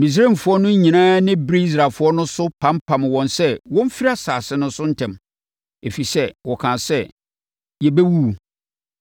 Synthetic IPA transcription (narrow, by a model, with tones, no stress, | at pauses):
mĩ˨s̬ɾe˦˨m˨fʊ˨˦ɔ˦nʊ̃˦ɲ˦ɲĩ˨nãː˦nɪ̃˦bɾi˦i˦s̬ɾaː˨lfʊ˨˦ɔ˦nʊ̃˦sʊ˦pʰã˦mpʰã˨mwɔ̃˨nsɛ˦wɔ̃˦m˦fi˦ɾa˦saː˨sɪ˦nʊ̃˦n˦sʊ˦n̩˦tʰɛ̃˨m | e˨fi˨sɛ˦wɔ˨kʰã˨sɛ˦ | jɛ˨bæ˦wu˦˨